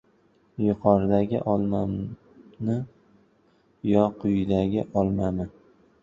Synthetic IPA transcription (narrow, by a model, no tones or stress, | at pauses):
jʊqʰɒɾd̪aɡʲɪ̰ʔɒlˠma | nɪ | jɒqʰʊjd̪aɡʲɪʔɒlˠmamɪ